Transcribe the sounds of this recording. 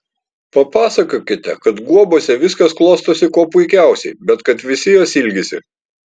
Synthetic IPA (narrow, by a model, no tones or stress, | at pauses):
pɐpɑːsɐkoːkʲɪt̪ʲɛ̰kɐt̪ɡuɔboːsʲɛʋʲɪskɐsklˠoːst̪oːsʲɪkoːpʊɪkʲæˑʊsʲɛ̰ɪbʲɛt̪kɐt̪ʋʲɪsʲɪjoːsɪlʲɡʲɪsʲɪ̰